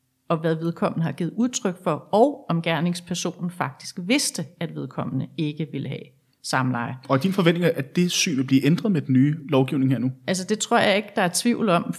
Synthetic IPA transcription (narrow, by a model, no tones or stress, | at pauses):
ɒ̽ʋæðˠʋe̝ðˠkʰɒ̽m̰ənəhɑ̈ɡ̥ḭːð̩ˠuð̞ˠt͡sʰʁœɡ̥fɒ̽ɒʊɒ̽mɡ̥æɐne̝ŋspʰæɐso̝̰ːnn̩fɑ̈ɡ̥̚d̥isɡ̥ʋe̝sd̥əæd̥ʋe̝ð̞ˠkʰɒ̽m̰ənəe̝ɡ̥əʋe̝ləɦɛ̰ | sɑ̈məlɑ̈ɪɒ̽id̥infɒʋend̥ne̝ŋʔæd̥e̝sy̰ːʋe̝lbliːʔend̥ʁɐð̞ˠmed̥en̩ːyːlɒʊɡ̥iʊne̝ŋɦḛɐnuæls̬əd̥e̝t͡sʰʁo̝ɐ̰jɑ̈e̝ɡ̥əd̥ɑ̈æɐt͡sʰʋḭʊ̰l̩ɒ̽m